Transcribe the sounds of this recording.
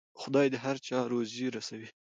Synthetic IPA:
xʊd̪ɑjd̪əɦaɾt͡ʃɑɾoziɾasawi

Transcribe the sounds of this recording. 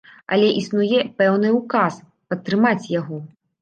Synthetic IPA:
ɐ̰lʲɛʔisnujɛpɛwnɨukas | pɐt̪ːɾɨmat͡sʲjaɣɔ

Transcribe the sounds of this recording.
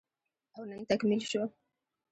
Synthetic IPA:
ʔawnant̪akmɪlʃʊ

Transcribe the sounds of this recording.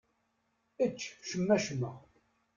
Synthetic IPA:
ət͡ʃːʃəmːæʃmːəʁ

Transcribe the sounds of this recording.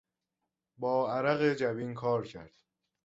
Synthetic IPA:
bɒːæɾæɣed͡ʒæviːnkʰɒːɾcʰæ̰ɾd̪̥

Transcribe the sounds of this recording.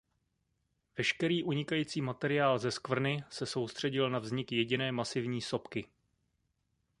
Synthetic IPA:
vɛʃkɛɾiːʔuɲɪkajiːt͡siːmat̪ɛɾɪaːlzɛskvr̩nɪsɛso̞wst̪r̝̥ɛɟɪlnavzɲɪkjɛɟɪnɛːmasɪvɲiːso̞pkɪ

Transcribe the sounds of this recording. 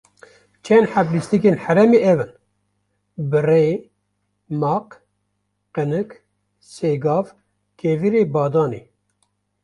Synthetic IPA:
t͡ʃʰɛnħæblist̪ikeːnħæɾɛmeʔɛvɨn | bɨre | mɑːq | qɨnɨk | seːɡɑːv | kʰeviɾeːbɑːd̪ɑːnḛː

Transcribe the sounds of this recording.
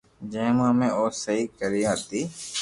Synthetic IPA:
d͡ʒẽːmãːmẽːoːsəɦiːkəɾijaːt̪iː

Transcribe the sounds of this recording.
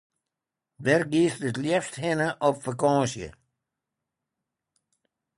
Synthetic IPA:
dɛrɡiːstətljɛfsthɪnəʔɔpfakɔ̃ːsjə̰

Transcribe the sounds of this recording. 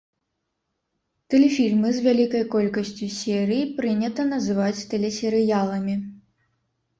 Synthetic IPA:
t̪ɛlʲɛfʲilʲmɨzʲvʲalʲikɐjkɔlʲkɐsʲt͡sʲusʲɛɾɨjipɾɨnʲɐt̪ɐnɐzɨvat͡sʲt̪ɛlʲɛsʲɛɾɨjalˠɐmʲi

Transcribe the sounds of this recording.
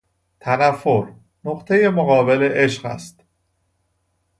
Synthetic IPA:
t̪ʰænæfːoɾ | noqt̪ʰe̞je̞mo̞ɣɒːbe̞leʔeʃɢæ̰st̪

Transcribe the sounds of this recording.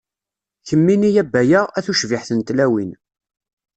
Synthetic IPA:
çəmːinijæbːæjəæθuʃvɪħθənt̪læwin

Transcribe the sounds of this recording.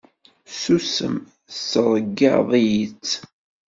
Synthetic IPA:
susə̰m | səɾˤɡːɑ̰ðˤijit͡sː

